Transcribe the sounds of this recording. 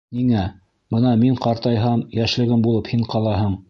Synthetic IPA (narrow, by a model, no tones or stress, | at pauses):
niŋæ | bɤnɑmiɴqɑɾt̪ɑjɦɑmjæʃlɘ̆ɡɘmbulˠɤphiɴqɑlˠɑɦɤɴ